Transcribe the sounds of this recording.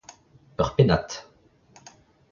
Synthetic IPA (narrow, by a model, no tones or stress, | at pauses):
œʁpenat̪